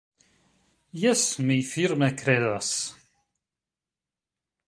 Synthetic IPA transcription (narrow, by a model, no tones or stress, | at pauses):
jæsmijfiɾmækːɾeðæs